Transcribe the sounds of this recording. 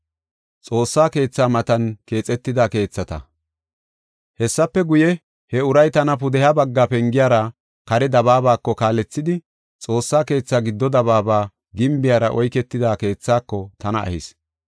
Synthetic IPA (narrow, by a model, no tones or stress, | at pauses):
t͡sʼo̞ːsːaːke̞ːt͡sːaːmɐt̪ɐnke̞ːt͡sʼɛt̪ːɪd̪aːke̞ːt͡sːɐt̪ɐ̰ | hɛsːɐpːɛɡʊjɛ | hɛʊɾɐjt̪ɐnɐp̬ʊd̪ɛhjabɐɡːaːpɛŋɡɪjaːɾɐ | kɐɾɛd̪ɐβaːbaːkːɔkaːlɛt͡sːɪd̪ɪ | t͡sʼo̞ːsːaːke̞ːt͡sːaːɡɪd̪ːɔd̪ɐβaːbaː | ɡɪmbɪjaːɾɐʔɔjkɛt̪ːɪd̪aːke̞ːt͡sːaːkːɔt̪ɐnɐʔɐ̰hɪs